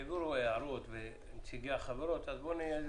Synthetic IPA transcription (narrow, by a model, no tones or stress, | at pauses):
viɾueaɾot̪ve | mt͡siɡaaχaveɾot̪azbonijez